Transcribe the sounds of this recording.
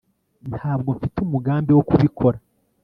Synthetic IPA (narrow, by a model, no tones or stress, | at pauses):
nhaːb̚ɡo̞ɱfitumuɡaːmbiwokuβikʰo̞ɾa